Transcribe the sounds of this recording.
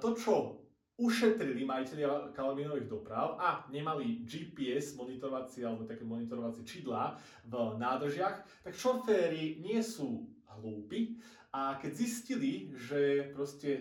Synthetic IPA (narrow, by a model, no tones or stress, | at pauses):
t̪ɔt͡ʃɔ | uʃɛt̪ɾilimaicɛʎɪakalaʋiːnɔʋiɣd̪ɔpɾaʊaɲɛmalid͡ʒiːpiɛzmɔnit̪ɔɾɔʋat͡siɛalɛbɔt̪akɛmɔnit̪ɔɾɔʋat͡sɪɛt͡ʃiːd̪laː | vnaːd̪r̩ʒɪaxt̪akʃɔfɛːɾiɲɪɛsuː | ɦluːpi | ʔakɛɟzisciliʒɛpɾɔscɛ